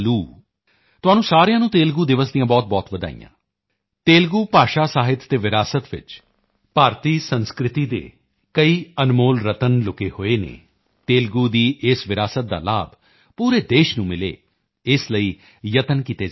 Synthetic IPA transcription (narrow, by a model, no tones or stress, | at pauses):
luː | t̪ʊaːnũːsaːɾejãːnũːt̪eːlɡuːd̪ɪʋəsd̪ijãːbɔːt̪̚bɔːt̪ʋəd̪a̰ːḭjã̰ː | t̪eːlɡuːpaːʃaːsaːɦɪt̪ːeːʋɪɾaːsət̪ʋɪ̰t͡ʃ | paːɾt̪iːsənskɾɪt̪iːd̪ḛː | kəiːənmoːlɾət̪ənlʊkeːhoːeːnḛː | t̪eːlɡuːd̪iːʔɪsʋɪɾaːsət̪̚d̪a̰ːla̰ːb | puːɾeːd̪eːʃnũːmɪlḛː | ɪsləiː | jət̪ənkiːt̪eː